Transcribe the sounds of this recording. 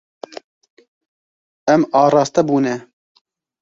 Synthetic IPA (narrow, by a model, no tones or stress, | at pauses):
ɛmɑːɾɑːst̪ɛbuːnɛ